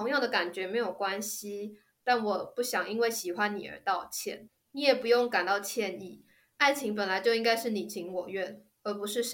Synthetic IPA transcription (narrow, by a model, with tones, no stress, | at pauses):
o˧˥ŋjɑ˥˩ŋd̪ə˩ka˨˩nt͡ɕɥɛ˧˥me˧˥ɪjo˨˩ʊkwa˦nɕi˥ | t̪a˥˩nwɔ˨˩pu˥˩ɕjɑ˨˩ŋi˥nwe˥˩ɪɕi˨˩xwa˦nːḭ˨˩ə̰˞˧˥t̪ɑ˥˧ʊt͡ɕʰjɛ̰˥˩n | ni˧˥jɛ˨˩pu˧˥jo˥˩ŋka˨˩nt̪ɑ˥˧ʊt͡ɕʰjɛ˥˧ni˥˩ | a˥˩ɪt͡ɕʰi˧˥ŋpə˨˩nla˨˦ɪt͡ɕjo˥˧ʊi˥ŋka˥ɪʂɻ̩˥˩ni˨˩t͡ɕʰi˧˥ŋwɔ˨˩ɥɛ˥˩n | ə˨˧˥pu˧˦ʂɻ̩˥˩ʂ